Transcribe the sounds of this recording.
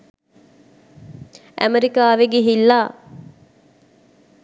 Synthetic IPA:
æ̰meɾikaːʋeɡeɦilːaː

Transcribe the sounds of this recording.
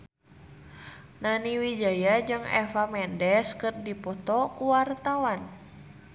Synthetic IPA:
naniwid͡ʒajad͡ʒɨŋɛ̰famɛndɛskɨrdipɔt̪ɔkuwart̪awan

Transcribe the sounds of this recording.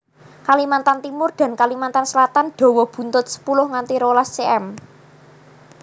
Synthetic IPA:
kalimant̪ant̪imʊrd̪̥a̤nkalimant̪ansəlat̪anɖ̪̥ɔ̤wɔb̥ṳnt̪ʊt̪̚sə̥pulʊhŋant̪iɾolast͡ʃeɛm

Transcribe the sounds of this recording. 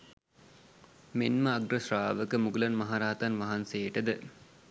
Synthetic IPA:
menməɐɡrəsraːʋəkəmuɡulɐnmɐɦaɾaːt̪ɐnʋɐɦansejʈəd̪ə

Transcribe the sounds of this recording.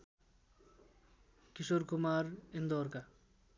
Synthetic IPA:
kisoɾkʰumaɾend̪ɔɾka

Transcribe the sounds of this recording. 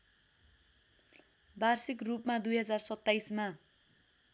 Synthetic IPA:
barsikrupmad̪ujɦʌd͡zarsʌt̪ːajsma

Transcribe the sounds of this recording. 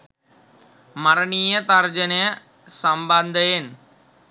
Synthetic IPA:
mɐɾɐɳijet̪ɐɾd͡ʒɐne | sɐmbɐnd̪ʱɐjen

